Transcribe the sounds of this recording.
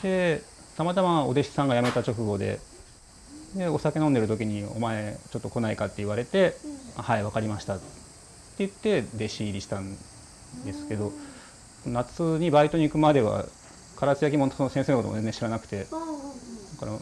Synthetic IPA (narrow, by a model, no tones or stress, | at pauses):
d̪̥e̞ | t̪amat̪amao̞d̪e̞ɕi̥sãŋɡajame̞t̪at͡ɕo̞kɯ̟ɡo̞d̪e̞̰ | d̪e̞o̞sake̞nond̪eɾɯ̟t̪o̞kʲiɲ̟io̞̰mae̞t͡ɕo̞t̪ːo̞ko̞naikat̪ːe̞iβaɾe̞t̪e̞ahaiβakaɾʲimaɕi̥t̪a | t̪ːe̞jɯ̟t̪ːe̞d̪e̞ɕiːɾʲiɕi̥t̪ãn | d̪e̞sɨ̥ke̞d̪o̞ | onat͡sɨɲ̟ibait̪o̞ɲ̟ikɯ̟mad̪e̞βa̰ | kaɾat͡sɨjak̬ʲimo̞nsonosẽseːnokotom̰d͡zenẽɕiɾanakɯ̟̥t̪e̞ | d̪akaɾa